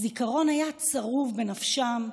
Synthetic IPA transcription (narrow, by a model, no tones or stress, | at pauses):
zikaʁo̞najat͡saʁuvbe̞nafʃam